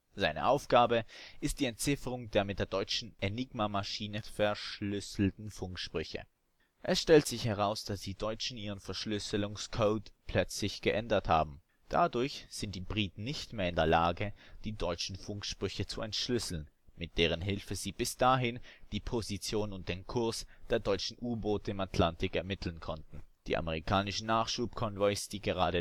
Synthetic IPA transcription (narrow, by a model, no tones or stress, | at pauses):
z̥aɪnə̰ʔaʊfɡ̥aːbəʔɪst̚d̥iːɛntt͡sɪfəʁʊŋdeːɐmɪt̚d̥eːɐdɔʏt͡ʃn̩ʔenɪɡmamaʃiːnəfɛɐʃlʏsl̩tn̩fʊŋkʃpʁ̥ʏçə̰ | ʔɛsʃtɛltz̥ɪçhɛʁ̞aʊsd̥asd̥iːdɔʏt͡ʃn̩ʔiːʁ̞ənfɛɐʃlʏsəlʊŋskʰoːtpʰl̥œt͡slɪçɡ̥əʔɛndɐtha̰ːbm̩ | d̥a̰dʊɐçz̥ɪntd̥iːbʁiːtn̩nɪçtmeːɐɪndeːɐlaːɡəd̥iːdɔʏt͡ʃn̩fʊŋkʃpʁ̥ʏçət͡suɛntʃlʏsl̩nmɪt̚d̥eːʁ̞ənɦɪlfəziːb̥ɪsd̥aɦɪnd̥iːpʰozit͡sjoːnʊnt̚d̥eːnkʰʊɐsd̥eːɐdɔʏt͡ʃn̩ʔuːɐboːtəɪmatʰlantɪkɛɐmɪtʰl̩n̩kʰɔntn̩d̥ḭːʔa̰məʁ̞ikʰaːnɪʃn̩naːχʃuːpkʰɔnvɔʏsd̥iːɡəʁ̞aːɾə